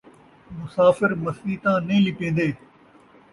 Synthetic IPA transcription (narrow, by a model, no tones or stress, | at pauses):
mʊsaːfɪɾmɐsiːt̪ãːnĩːlɪpẽːnd̪eː